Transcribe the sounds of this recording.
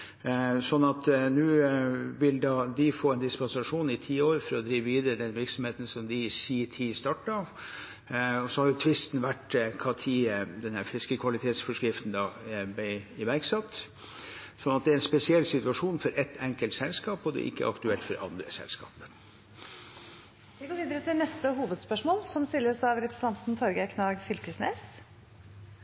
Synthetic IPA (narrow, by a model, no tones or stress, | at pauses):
sɔnːɑt̪nʉːʋɪld̪ɑːd̪ɪfoːɛnd̪ɪspɑnsɑʂuːnɪt̪ʰiːoːɾfɔɾɔd̪ɾiːʋəʋiːd̪əɾəd̪ɛnʋɪɾksɔmheːt̪n̩sɔmd̪ɪsiːt̪ʰiːst̪ɑʈːɑ | ɔsɔhɑɾjʊt̪ʰʋɪst̪n̩ʋæʈkʰɑːt̪ʰiːəd̪ɛnhæɾfɾɪskəkʰʋɑlɪt̪ʰeːt̪sfɔʂkɾɪft̪n̩d̪ɑːbɛɪʋæɾksɑt̪ː | sɔnɑt̪̚d̪ɛæɾɛnspɛsɪɛlːsɪt̪ʉʋɑʂuːnfɔɾʔɛt̪ʰːɛŋkəlt̪sɛlskɑːpɔd̪ɛ̰ʔɪ̰kːə̰ʔɑkt̪ʉɛlt̪fɔɾʔɑ̰nd̪ɾəsɛ̰lskɑ̰ːpə | ʋɪɡoːʋiːd̪əɾət̪ʰɪlnɛst̪əɦuːʋəd̪spœʂmoːlsɔmst̪ɪlːəsɑʋɾɛpɾɛsən̩ʰɑnt̪n̩t̪ʰɔɾɡəkʰnɑːɡfʏlkəsneːs